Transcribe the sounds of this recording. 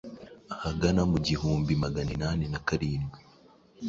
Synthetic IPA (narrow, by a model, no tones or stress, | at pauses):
ahaɡanamuɟihuːmbimaɡaninaːnenakaɾiːnɡi